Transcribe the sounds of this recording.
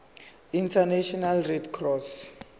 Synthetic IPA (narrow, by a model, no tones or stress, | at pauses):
intʰanaʃɔnalrɛdkʰrɔs